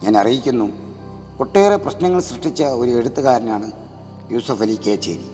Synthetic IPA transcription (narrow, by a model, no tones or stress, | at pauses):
ɲaːnɐrijikʲːunːu | ko̞ʈːeːreprɐɕnɐŋːɐɭɕrɨʂʈit͡ɕːɐo̞ɾueɽut̪ːɨɣaːɾɐnɐmaːɳɨ | juːsɐfelikːeːt͡ɕːḛːɾḭ